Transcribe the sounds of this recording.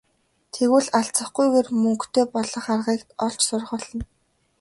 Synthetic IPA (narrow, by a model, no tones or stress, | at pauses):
t̪ʰeɣwɘ̆ɮaɬt͡sə̆χɡujɣeːrmɵŋkt̪ʰeːpɔɮɞ̆χarʁiːkt̪ɔɬt͡ɕsʊrʁə̆ɮɞ̆n